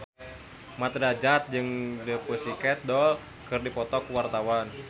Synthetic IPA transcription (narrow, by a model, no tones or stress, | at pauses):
mat̪ɾad͡ʒat̪̚d͡ʒɨŋdəpusikɛt̪̚dɔl | kɨrdipɔt̪ɔkwart̪awan